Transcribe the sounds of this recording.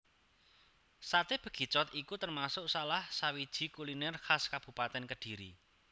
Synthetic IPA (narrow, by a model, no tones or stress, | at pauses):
sat̪eb̥ə̤ɡ̥i̤t͡ʃɔt̪ikut̪ərmasʊʔsalahsawid̥ʒ̥i̤kulinɛrhaskab̥ṳpat̪ɛnkəɖ̥i̤ɾḭ